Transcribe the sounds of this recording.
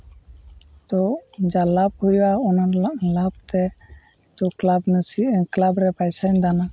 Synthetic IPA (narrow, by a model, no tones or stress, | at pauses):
t̪ɔd͡ʒalab̚hujwaɔnalab̚t̪ɛ | t̪ɔklabnəsiklabɾɛpajsaɲd̪ana